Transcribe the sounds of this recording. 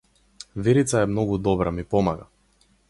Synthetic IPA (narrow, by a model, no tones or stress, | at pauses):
vɛɾit̪saɛmnɔɡud̪ɔbɾamipɔmaɡa